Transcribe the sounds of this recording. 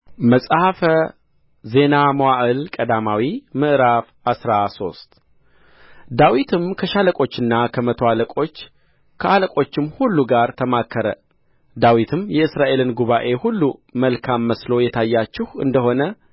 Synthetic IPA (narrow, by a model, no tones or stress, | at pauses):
məsʼhafə | ze̞namowaʔɨlkʼəd̪amawimɨʔɾaf | asɾaso̞̰st̪ʼ | d̪awit̪ʰɨmkʰəʃaləkʼo̞t͡ʃːɨnːakʰəmət̪ʰo̞aləkʼo̞t͡ʃː | kʰəʔaləkʼo̞t͡ʃːɪmhulːuɡaɾt̪ʰəmakʰːəɾə | d̪awit̪ʰɨmjɛɨsɾaʔe̞lɨnɡuβaʔe̞hulːuməlkʰamːəslo̞jɛt̪ʰajːat͡ʃːɪhɨ̰nd̪əɦo̞nə